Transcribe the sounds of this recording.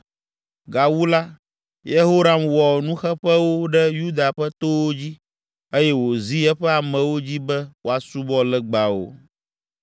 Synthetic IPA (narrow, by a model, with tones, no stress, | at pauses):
ɡa˨wu˦la˦ | je˦ɦo˦ɾa˦mwɔ˨nũ˦xɛ˦ɸɛ˦wo˦ɖɛ˦ju˦d̪a˨ɸɛ˦t̪o˦wo˦d͡ʑi˦ | e˦jɛ˦wo˨zi˦ɛ˦ɸɛ˦a˨mɛ̃˨wo˦d͡ʑi˦bɛ˦wo˦a˨su˦bɔ˦lɛ˦ɡ͡ba˨wo̰˨